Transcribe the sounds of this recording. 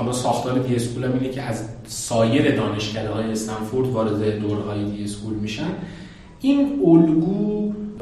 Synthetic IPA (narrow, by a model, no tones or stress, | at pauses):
æmɒːsɒːxt̪ʰɒːɾed̪iespʰuːlæmiːnecʰe̞æzsɒːje̞ɾe̞d̪ɒːne̞ʃcʰæd̪ehɒːjeːst̪ænfoɾd̪vɒːɾe̞d̪ed̪oɾɦɒːjed̪iespʰulmiːʃæn | ʔiːnolɡuː